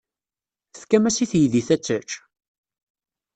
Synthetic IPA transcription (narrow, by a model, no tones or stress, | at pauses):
θə̥θkæmæsiθjiðiθæt͡sːət͡ʃ